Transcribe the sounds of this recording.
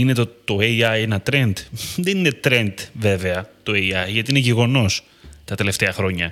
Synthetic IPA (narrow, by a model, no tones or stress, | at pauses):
ine̞t̪ot̪oeiɐjenɐt̪ɾe̞nd̪ðenine̞t̪ɾe̞nd̪ve̞ve̞ɐt̪o̞eiɐʝɐt̪iineʝeɣo̞no̞s | t̪ɐt̪e̞le̞ft̪e̞ɐxɾo̞ɲɐ